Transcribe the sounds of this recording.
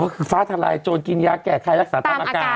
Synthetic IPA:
aː˧˩kʰɯː˧faː˦˥t̪ʰaː˧la̰˧jt͡ɕoː˧nki˧njaː˦˥kːɛː˨˩kʰa˧jɾa˦˥k̚saː˩˦t̪ʰa˧mʔaː˧kaː˧˩

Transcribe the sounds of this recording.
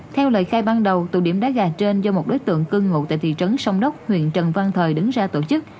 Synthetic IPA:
t̪ʰɛ˧wlə̰ː˧˨jxaː˧jɓaː˧nɗə˨˩wt̪ṵ˧˩ɗi˧˩əmɗa̰ː˧˥ɣaː˨˩t͡ɕe˧nzɔ˧mo˨˩t̚ɗo˨˦jt̪ɨ̰˧˨əŋkɨ˧ŋŋṵ˧˨t̪a̰ː˧˨jt̪ḭ˧˨t͡ɕə˨˦nsɔ˧wŋ͡mɗə˦˥wk͡p̚hwḭ˧˨ənt͡ɕə˨˩nva˧nt̪ʰəː˨˩jɗɨ˨˦ŋzaː˧t̪o˧˩t͡ɕɨ˦˥k̚

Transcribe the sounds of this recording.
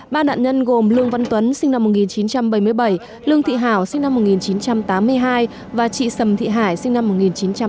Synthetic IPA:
ɓaː˧ɗa̰ː˧˨nɲə˧nɣo˨˩mlɨ˧əŋva˧nt̪wə˨˦nsï˧ŋna˧mːo˨˩ŋi˨˩nt͡ɕi˨˦nt͡ɕa˧mɓə˧˩jmɨ˧əjɓə˧˩j | lɨ˧əŋt̪ʰḭ˧˨ɦaː˧˩wsï˧ŋ̟na˧mːo˨˩t̚ŋi˨˩nt͡ɕi˨˦nt͡ɕa˧mt̪aː˨˦mːɨ˧əjɦaː˧j | vaː˨˩t͡ɕḭ˧˨sə˨˩mt̪ʰḭ˧˨ɦaː˧˩jsï˧ŋna˧mːo˨˩t̚ŋi˨˩nt͡ɕi˨˦nt͡ɕa˧m

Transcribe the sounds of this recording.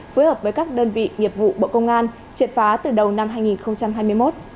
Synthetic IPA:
fəː˨˦jhəː˨˩p̚vəː˨˦jkaː˦˥k̚ɗəː˧nvḭ˧˨ŋi˨˩əp̚vṵ˧˨ɓo̰˧˨kə˧wŋ͡mʔaː˧n | t͡ɕi˨˩ətfaː˨˦t̪ɨ˨˩ɗə˨˩wna˧mɦaː˧jŋi˨˩nxə˧wŋ͡mt͡ɕa˧mɦaː˧jmɨ˧əjmo˦˥t̚

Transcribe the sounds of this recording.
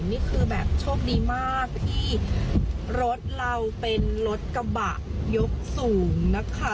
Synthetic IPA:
niː˥˩kʰɯː˧bɛ̰ː˨˩p̚t͡ɕʰoː˥˩k̚diː˧maː˥˩k̚t̪ʰiː˥˩ | ɾo˦˥t̪̚ɾa˧wpe˧nɾo˦˥t̪̚ka˧ba̰˨˩ʔjo˦˥k̚suː˩˦ŋna˦˥kʰa˦˥˩

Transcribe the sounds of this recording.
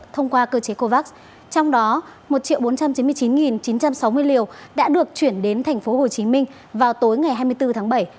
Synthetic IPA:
t̪ʰə˧wŋ͡mkwaː˧kəː˧t͡ɕe˨˦ko˧vaː˦˥k̚ | t͡ɕɔ˧wŋ͡mɗɔ˨˦mo˨˩t̚t͡ɕḭ˧˨wɓo˨˦nt͡ɕa˧mt͡ɕi˨˦nmɨ˧t͡ɕi˨˦nŋi˨˩nt͡ɕi˨˦nt͡ɕa˧msa˨˦wmɨ˧əjli˨˩əwɗa̰ː˧˥ɗɨ˨˩ək̚t͡ɕwi˧˩ənɗe˨˦nt̪ʰɛ˨˩jŋ̟fo˨˦ɦo˨˩t͡ɕi˨˦mï˧ŋ̟ | vaː˨˩wt̪o˨˦jŋa˨˩jɦaː˧jmɨ˧jt̪ɨ˧t̪ʰaː˨˦ɓə˧˩j

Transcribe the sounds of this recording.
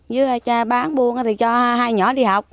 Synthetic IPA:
zɨ˧aː˧˩t͡ɕaː˧ɓaː˨˦nɓu˧ənʔa˧˨˦t̪ʰi˨˩t͡ɕɔ˧ɦaː˧jɲɔ̰˧˩˦ɗi˧ɦa˨˩wk͡p̚

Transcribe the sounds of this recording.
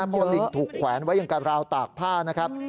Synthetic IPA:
kʰu˧nːi˨˩t̪ʰuː˨˩kʰwɛː˩˦nwa˦˥ja˨˩ŋka˧ɾaː˧wt̪aː˨˩k̚pʰaː˥˩na˦˥kʰa˦˥p̚

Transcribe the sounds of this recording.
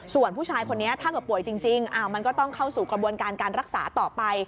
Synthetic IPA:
su˨˩ənpʰu˥˩t͡ɕʰaː˧jkʰo˧nːi˦˥ɐt̪ʰaː˥˩kɤː˨˩pu˨˩əjt͡ɕi˧ŋt͡ɕi˧ŋʔa˧˩ma˧nkɔː˥˩t̪ɔ˥˩ŋkʰa˥˩wsuː˨˩kɾa˧bu˧ənkaː˧nkaː˧nɾa˦˥k̚sa̰ː˩˦t̪ɔː˨˩pa˧j

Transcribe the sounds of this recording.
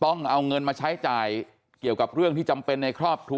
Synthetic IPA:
t̪ɔ˥˩ŋʔa˧wŋɤ˧nmaː˧t͡ɕʰa˦˥jt͡ɕaː˨˩j | ki˨˩əwka˨˩p̚ɾɯ˥˩əŋt̪ʰiː˥˩t͡ɕa˧mpe˧nːa˧jkʰɾɔː˥˩p̚t̪ʰu˧

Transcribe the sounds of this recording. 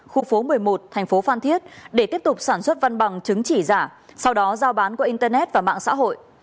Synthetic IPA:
xu˧fo˨˦mɨ˨˩əjmo˨˩t̚t̪ʰɛ˨˩ŋ̟fo˨˦faː˧nt̪ʰi˦˥ət̚ɗe˧˩t̪i˦˥əp̚t̪ʊ˨˩k͡p̚saː˧˩nswə˦˥t̚va˧nɓa˨˩ŋt͡ɕɨ˨˦ŋt͡ɕi˧˩zaː˧˩sa˧wɗɔ˨˦zaː˧wɓaː˨˦nku˧˩ʔi˧nt̪əː˧nɛ˦˥t̚vaː˨˩ma̰ː˧˨ŋsa̰ː˧˥ɦo̰˧˨j

